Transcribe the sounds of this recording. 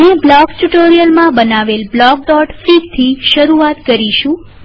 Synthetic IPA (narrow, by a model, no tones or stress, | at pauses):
ɦeblɔɡʈuʈoɾijəlmãbənaʋelblɔɡ̚ɖɔʈfiɡt̪ʰiʃəɾuat̪kəɾiʃũ